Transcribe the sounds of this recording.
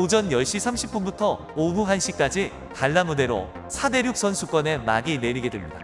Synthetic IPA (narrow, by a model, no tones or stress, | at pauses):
od͡ʑʌnjʌɭɕ͈isʰamɕʰip͈̚unbutʰʌ | oɡuɦanɕ͈ʰik͈ad͡ʑi | kaɭːamude̞ɾo̰ | sʰade̞ɾjuk̚s͈ʌnsʰuk͈wʌne̞ma̰ɡine̞ɾiɡe̞dwemɲida